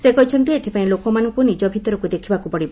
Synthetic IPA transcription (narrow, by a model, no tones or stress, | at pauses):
sekɔɦit͡ʃʰɔnt̪iet̪ʰi̥paĩlokɔmanɔŋkunid͡ʒɔbʱit̪ɔɾɔkud̪ekʰibakupɔɽib